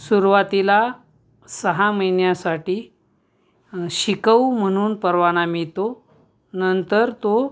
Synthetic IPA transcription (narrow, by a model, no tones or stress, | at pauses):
suɾʋat̪ila | səɦaməjnjasaʈiː | ɕikəwm̤əɽ̃uːnpəɾʋaɽ̃amit̪o | nənt̪əɾt̪o